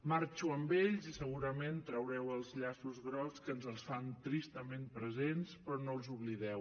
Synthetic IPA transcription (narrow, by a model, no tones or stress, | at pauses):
maɾt͡ʃuəmbeʎzisəɣuɾəment̪ɾəwɾɛwəlˠzʎasuzɣɾɔskənzəlˠsfant̪ɾist̪əmempɾəzenspɾɔnolˠzuβliðɛw